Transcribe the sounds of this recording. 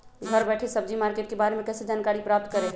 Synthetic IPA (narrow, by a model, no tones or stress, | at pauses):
ɡʱəɾbɛːʈʰesəb̚d͡ʒimaːɾkeːʈ̚kebaːɾemẽkɛːsed͡ʒaːnkaːɾipɾaːp̚t̪kəɾeɡ